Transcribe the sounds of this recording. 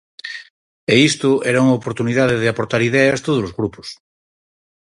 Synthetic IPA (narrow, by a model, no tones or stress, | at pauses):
eist̪uʔeɾauŋaopoɾt̪uniðaðeðeapoɾt̪aɾiðeast̪oð̞olozɣɾupos